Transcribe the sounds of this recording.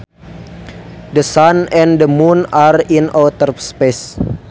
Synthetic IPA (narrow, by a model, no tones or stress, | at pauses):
dəsanɛ̃ndəmunarinɔt̪ərspes